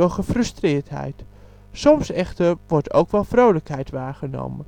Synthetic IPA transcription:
ʊχəfrɵstrɪːɹtɦɛ̰jt | sɔmsɛχtəɹʋɔɹto̰wkʋɛlˠvrowləkɦɛjtʋaːɹχəno̰wmə

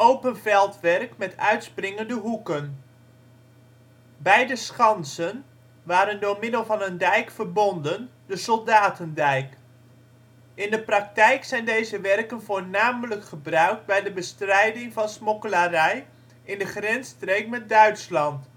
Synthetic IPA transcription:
owpənvɛlˠtʋɛrkmɛtʰœɥtsprɪŋəndəɦukən | bɛjdəsχɑnsən | ʋaːɾəndʊːɹmɪdəlˠvɑnəndɛjkfərbɔndəndəsɔlˠdaːtəndɛjk | ʔɪndəprɑk̚tɛjksɛjndejzəʋɛrkənvʊːɹnaːmələkχəbrœɥk̚d̚bɛjdəbəstrɛjdɪŋvɑnsmokəlarɛj | ʔɪndəχrɛnstrejk̚mɛt̚dœɥtslɑnt

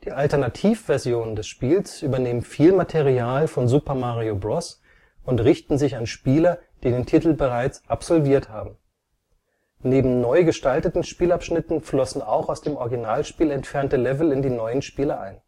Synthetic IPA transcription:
d̥iːʔaltɐnatʰiːfv̥ɛɐzjoːnəndɛsʃpiːlsʔyːbɐneːmənfiːlmatʰeʁiaːlfɔnzupɐmaːʁiobʁɔs | ʊntʁɪçtn̩zɪçanʃpiːlɐd̥iːdeːntʰiːtl̩bəʁ̞aɪt͡sʔapz̥ɔlviːɐtha̰ːbm̩ | neːbm̩nɔʏɡəʃtaltətn̩ʃpiːlapʃnɪtn̩flɔsn̩aʊxaʊsd̥eːmʔɔɐɡinaːlʃpiːlɛntfɛʁɐntəlɛvl̩ɪndiːnɔʏənʃpiːlɐʔa̰ɪn

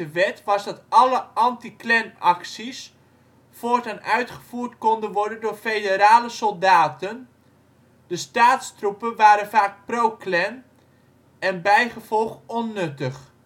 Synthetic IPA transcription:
əʋɛtʋɑzdɑtɑləɑntiklɛnɑksis | foːɹtənœɥtχəv̥uːrtkɔndənʋɔɹdəndʊːɹfejdəɾaːləsɔlˠdaːtən | dəstaːtstrupənʋaːɾənvaːk̚prowklɛn | ɛnbɛjχəv̥ɔlˠχɔnːɵtəχ

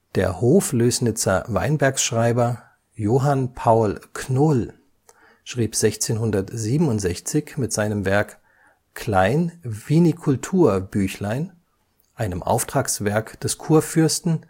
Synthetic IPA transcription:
d̥ḛːɐhoːfløːsnɪt͡sɐ̰va̰ɪnbɛɐksʃʁ̥aɪbɐ | joːɦanpʰaʊlkʰnʊl | ʃʁ̥iːpz̥ɛçt͡seːnhʊndɐtz̥iːbm̩ʊntz̥ɛçt͡sɪçmɪtz̥aɪnəmvɛɐk | kʰl̥aɪnviːnikʰʊltʰuːɐbyːçlaɪn | ʔaɪnəmʔa̰ʊftʁ̥aːksv̥ɛɐkd̥ɛskʰuːɐfʏɐstn̩

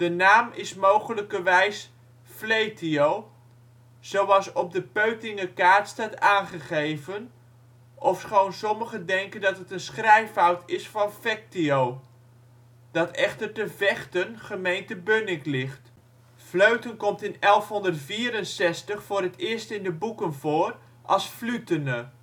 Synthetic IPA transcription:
d̥ənaːmɪsmowχələkərʋɛjs | flejtʰiow | z̥owɑlˠsɔb̚dəpøɥtɪŋəkaːrtstataːnχəχejvən | ʔɔfsχownsɔməχədɛŋkəndɑtətənsχrɛjfɔwtʰɪsfɑnfɛk̚tiow | d̥ɑtɛχtərtəvɛχtənχəmejntəbønɪklɪχt | fløɥtənkɔmtɪnɛlˠfɦɔndərtfiːɾənsɛstəχfʊːrɦətɪəɹstɪndəbukənvoːr | ʔɑlˠsflytənə

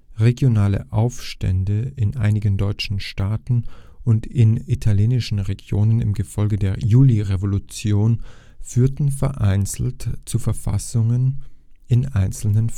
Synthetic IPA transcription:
ʁeɡjonaːlə̰ʔaʊfʃtɛ̰ndəɪnʔaɪnɪɡəndɔʏt͡ʃn̩ʃtaːtn̩ʔʊntʰɪnitʰaljeːnɪʃn̩ʁeɡjoːnənɪ̰mɡəfɔlɡədeːɐjuːliʁevolut͡sjoːn | fyːɐtn̩fɛɐʔaɪnt͡sl̩tt͡sufɛɐfa̰sʊŋən | ɪnʔaɪnt͡sl̩nən

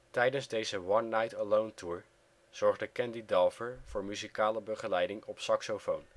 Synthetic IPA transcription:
tɛjdənzdejzəwɑnːɑjtəlowntʰuːɹ | z̥ɔɹχdəkɛndidɛlˠvəɹv̥ʊːɹmyzikaːləbəχəlɛjdɪŋɔpsɑksofown

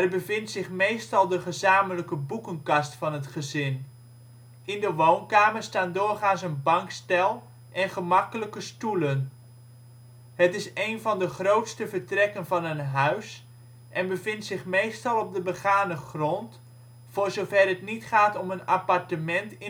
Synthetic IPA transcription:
ɛrbəvɪntsɪχmejstɑlˠdəχəzaːmələkəbukənkɑstfɑnɦətχəzɪn | ɪndəʋownkaːmərstaːndʊːrχaːnsənbɑŋkstɛlˠ | ʔɛnχəmɑkələkəstulən | ɦətɪsejnvɑndəχrowtstəvəɹtrɛkənvɑnənɦœɥs | ʔɛnbəvɪntsɪχmejstɑlˠɔb̚dəbəχaːnəχrɔnt | fʊːɹzowvɛrɦətnitχaːtɔmənapɑɹtəmɛntɪ

